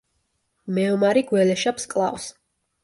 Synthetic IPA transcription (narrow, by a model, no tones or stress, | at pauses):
mɛɔmaɾiɡwɛlɛʃapskʼlˠa̰vs